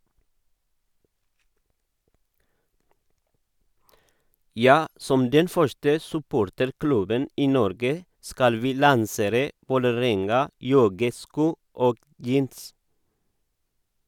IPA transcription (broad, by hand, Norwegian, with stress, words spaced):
ˈjɑː ˈsɔm ˈdɛn ˈfœʃtə sʉˈpoːɾtəɾˌklʉbən ˈiː ˈnɔɾɡə ˈskɑl ˈʋiː lɑnˈseːɾə ʋoːləˈɾɛŋɑˌjɔɡəˌskuː ˈoːɡ ˈjiːns